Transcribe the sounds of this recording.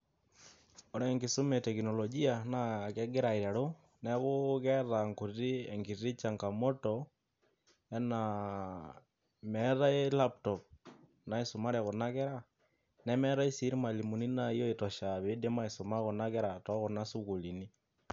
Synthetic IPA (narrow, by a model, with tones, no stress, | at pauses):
ɔ˨ɾɛ˦ŋɡɪ˨sʊ˦mɛ˨tɛ˨kinɔ˨lɔ˨d͡ʒi˦a˨na˦kɛ˦ɡɛ˦ɾa˨i˨ɾa˨ɾo˦ | nɛ˦kʊ˦kɛ˦ða˨ŋku˨ri˦ɛ˨ŋɡi˨ri˦t͡ʃa˨ŋka˨mɔ˦tɔ˨ | ɛ˦na˨ | mɛ˨˦ða˦e˦la˦ptɔ˨p̚ | na˨i˨sʊ˨ma˦ɾɛ˨kʊ˨na˦kɛ˦ɾa˦˨ | nɛ˦mɛ˦ɾa˦i˦si˦ɾi˦ma˨li˨mu˨ni˦na˦jo˦i˨tɔ˨ʃa˨βe˦de˦ma˦i˨sʊ˨ma˦kʊ˨na˦kɛ˦ɾa˨tɔ˦kʊ˨na˦su˦ku˨li˨ni˦